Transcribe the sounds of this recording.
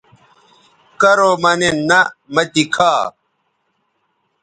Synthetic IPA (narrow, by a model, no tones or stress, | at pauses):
kɐɾomɐnenːɐmɐt̪ikʰaː